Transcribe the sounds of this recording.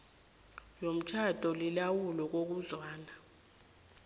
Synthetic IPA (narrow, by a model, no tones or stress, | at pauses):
jom̩t͡ʃʰad̥ʱɔlilawulɔk̬ok̬uzwaːna